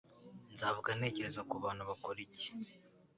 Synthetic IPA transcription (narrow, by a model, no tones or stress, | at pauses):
nzaːvuɡane̞ːɟe̞ɾe̞zakuβaːnhuβakoɾice̥